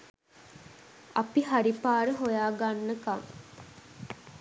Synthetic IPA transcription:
ɐpiɦaɾipaːɾəɦojaːɡanːəkaŋ

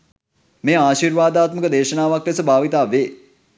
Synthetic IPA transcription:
meːaːʃiːɾʋaːd̪aːt̪məkəd̪eːʃənaːʋakɾesəbʱaːʋit̪aːʋeː

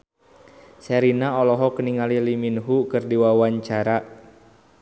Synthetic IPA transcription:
sɛɾinaɔlɔɦɔkəniŋaliliminɦukɨrdiwawaɲt͡ʃaɾa

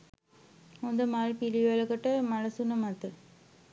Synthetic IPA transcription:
ɔnd̪ɐmaːɻpiliʋɐlɐkːɐʈːɐmɐɻɐsunɐmɐt̪ːɯ

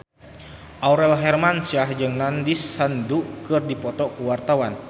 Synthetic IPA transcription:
ʔauɾɛlɦɛrmansiahd͡ʒɨŋnandisːandukɨrdipɔt̪ɔkuwart̪awan

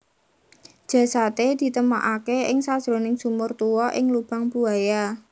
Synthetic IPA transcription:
d̥ʒ̥ä̤sat̪ed̪̥i̤t̪əma̰ʔakeɪŋsad̥ʒ̥ɾo̤nɪŋsumʊrt̪uwɔʔɪ̰ŋlub̥a̤ŋbuaja

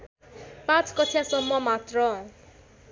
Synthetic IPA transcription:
pãt͡sʰkʌtʰjasʌmːʌmat̪rʌ

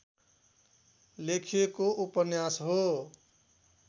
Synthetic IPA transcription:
lekʰijekoʔupʌnjasɦo

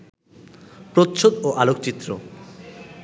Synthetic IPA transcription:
pɾot̪ʃʰod̪oʔalokt͡ɕit̪ːɾo̰

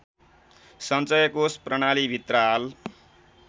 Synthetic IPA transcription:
sʌnt͡sʌjʌkosprʌɽ̃alibʱit̪rʌal

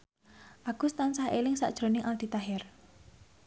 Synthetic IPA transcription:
ʔaɡ̥ʊ̤st̪ansahelɪŋsa̰ʔd̥ʒ̥ɾo̤nɪŋʔald̪̥i̤t̪aɦɪr

